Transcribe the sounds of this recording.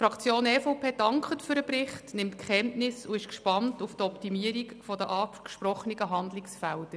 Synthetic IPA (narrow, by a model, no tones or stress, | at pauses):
fɾɑkʰt͡sjoːnɛːfɔʊpʰeːd̥ɑŋkχətfʏɾəprɪχtnɪmtkχɛntnɪsuɪʃkʃpɑntuftɔptimiəɾikfɔdəʔɑː | ʃprɔχəniɡəɦɑndlɪksfæld̥ə